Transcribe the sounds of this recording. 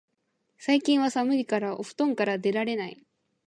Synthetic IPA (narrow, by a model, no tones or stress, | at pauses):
saikʲĩɰ̃β̞asamɯ̟ɾʲikaɾaʔoɸɯ̟̥t̪õ̞ŋkaɾad̪e̞ɾaɾe̞nai